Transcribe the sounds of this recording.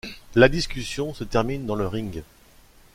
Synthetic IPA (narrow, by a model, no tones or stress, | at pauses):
lad̪iskʲysjɔ̃sət̪ɛʁmind̪ɑ̃ləʁĩŋɡ